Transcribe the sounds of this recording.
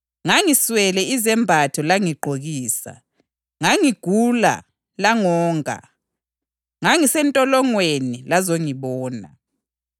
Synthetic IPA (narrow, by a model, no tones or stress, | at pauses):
ŋaŋiswɛlɛizɛmbʱatʰɔlaŋiɡ͡ǃʱoɣiːsa̰ | ŋaŋiɡ̥ʱula̰ | laŋɔːŋʱa̰ | ŋaŋisɛntʼɔlɔŋwenilazoŋiβɔːna̰